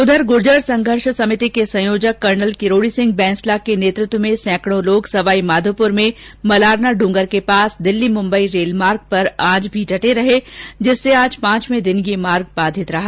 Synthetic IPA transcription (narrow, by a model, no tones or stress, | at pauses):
ʊd̪ʱəɾɡʊɾd͡ʒəɾsɐ̃ŋɡʱəɾʃsɐmɪt̪ikesɐ̃joːd͡ʒəkːɐɾnəlkɪɾoːɽisɪ̃ŋɡ̚bɛ̃ːnslakeneːt̪ɾɪt̪wəmẽsɛ̃ːkɽ̃õloːɡsɐʋaːimaːd̪ʱopʊɾmẽmɐlaːɾnaɖũːŋɡəɾkepaːsd̪ɪlːimʊ̃mbəiɾeːlmaːɾɡ̚pɐɾaːd͡ʒbʱid͡ʒʱɐʈeɾɐɦed͡ʒɪsːeaːd͡ʒpãːt͡ʃmẽd̪ɪnjemaːɾɡ̚baːd̪ʱɪt̪ɾɐɦaː